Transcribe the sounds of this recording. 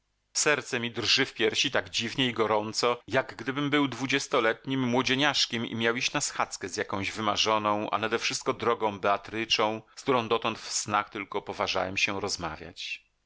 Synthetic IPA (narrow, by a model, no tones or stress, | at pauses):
sɛɾt̪sɛmʲid̪rʐɘfpʲjɛɾɕit̪aɡd͡ʑivɲɛiɡɔɾɔnt̪sɔjaɡɡd̪ɘbɘmbɘwd̪vud͡ʑɛst̪ɔlɛt̪ɲimːwɔd͡ʑeɲaʂkʲɛmḭmʲjawiɕt͡ɕnasxat̪skɛzjakɔ̃w̃ʑvɘmaʐɔnɔ̃w̃ʔa̰nad̪ɛfʂɘst̪̚kɔd̪ɾɔɡɔ̃w̃bɛat̪ɾɘt͡ʂɔ̃w̃skt̪uɾɔ̃w̃d̪ɔt̪ɔnt̪fsnaxt̪ɘlkɔpɔvaʐa̰wɛmɕɛɾɔzma̰vʲja̰t͡ɕ